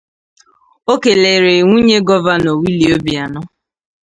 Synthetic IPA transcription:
o˦ke˨le˨ɾe˨ŋʷu˦ɲe˦ɡɔ˦va˦no˨wi˦li˨o˦bi˨a˨nɔ˦

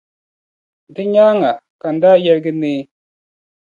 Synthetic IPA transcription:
dɨ˦ɲaː˦ŋa˨ka˨n̩˨daː˦jɛ˦ɾɡɪ˦neː˦

